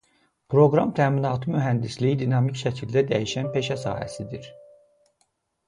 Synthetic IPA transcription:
pʰɾo̞ɡɾɑmt̪ʰæːminɑːt̪ʰɯmyɦænd̪islijid̪inɑmicʃæcʰild̪æd̪æjiʃænpe̞ʃæsɑ̰ːhæ̰sid̪iɾ̥

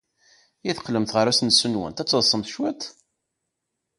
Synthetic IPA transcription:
iθə̥qːləmθʁəɾæsnsənwæ̰nt̪æt͡sːəðˤsˤəmθʃwæt̪

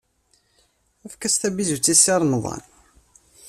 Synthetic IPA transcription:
æfkæst̪æbizut͡sːisɑɾˤnðˤɑ̰n

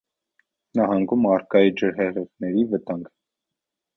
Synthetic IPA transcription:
nɑɦɑŋɡumɑɾkɑjid͡ʒəɾɦɛʁɛʁnɛɾivət̪ɑŋɡ

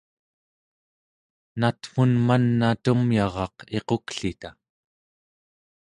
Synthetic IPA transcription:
nat̪funmanːat̪umjɑʁɑqe̞qokɬit̪a

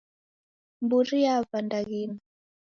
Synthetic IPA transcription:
mbuɾijavandaɣina

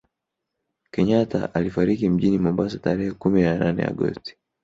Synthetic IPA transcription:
kɛɲata̰ʔalifaɾikim̩ʄinimɔmbasataɾɛhɛkuminananɛ̰a̰ɠɔ̰sti̥

